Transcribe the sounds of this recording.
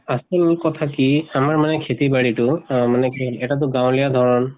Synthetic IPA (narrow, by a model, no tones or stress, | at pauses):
asɛmʊlkɔtʰakiamaɹmanɛkʰetibaɹitʊmanɛkʰeɛtat̬ʊɡaw̃lijadʱɔɹɔn